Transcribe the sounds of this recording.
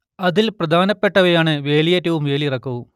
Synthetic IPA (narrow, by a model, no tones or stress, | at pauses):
ɐðilprɐd̪ʱaːnɐpːeʈːɐʋejaːɳɨʋe̞ːlijeːtːɐʋumʋe̞ːlijirɐkːɐʋum